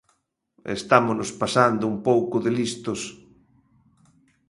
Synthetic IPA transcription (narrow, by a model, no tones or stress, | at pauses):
ḛst̪amʊnospasand̪ʊumpowkʊðɪlist̪ʊs